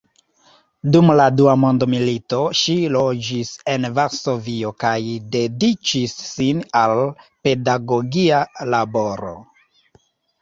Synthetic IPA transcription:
dumladuamo̞ndomilito̞ʃilo̞d͡ʒise̞nvaɾso̞vio̞kajde̞dit͡ʃisːinalpe̞daɡo̞ɡialabo̞ɾo̞̰

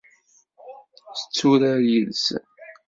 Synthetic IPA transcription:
θə̥t͡sːuɾaɾjəls

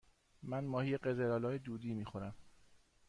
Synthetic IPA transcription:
mænmɒːhijeɢezeɾɒːlɒːjed̪uːd̪iːmiːxoɾæm

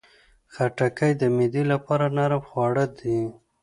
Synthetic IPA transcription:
xaʈakajd̪əmid̪ilapɑɾanaɾamxwɑɽəd̪i

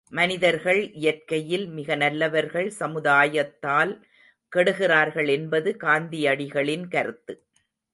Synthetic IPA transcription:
mɐnɪðɐɾɣɐɭʔɪjɐrkɐjɪlmɪɣɐnɐlːɐʋɐɾɣɐɭsɐmɯðaːjɐt̪ːaːl | kɛɽɯɣɪraːɾɣɐɭɛnbɐðɯkaːnd̪ɪjɐɽɪɣɐɭɪnkɐɾɯt̪ːɯ

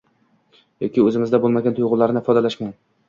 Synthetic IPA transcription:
jɒkʲɪɵzɪmɪzd̪abolˠmaɡʲant̪ʰʊjʁʊlːaɾnɪɪfɒd̪alaʃman

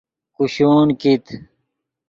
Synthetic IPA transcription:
kuɕoːnkit̪ʰ

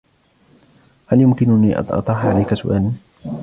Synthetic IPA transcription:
haljʊmkɪnʊniːʔɑ̰ʔɑ̰t̪ˤɾˤɑħʕalajkasʊʔaːlan

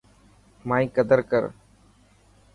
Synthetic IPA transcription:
maːĩːkəd̪əɾkəɾ

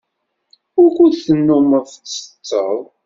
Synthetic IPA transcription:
ʊɾkʷudθənːʊməfsə̥t͡sːəðˤ

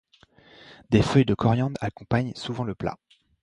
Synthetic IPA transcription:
d̪efœjd̪əkʰɔʁjɑ̃d̪akɔ̃paɲsuvɑ̃ləpla̰

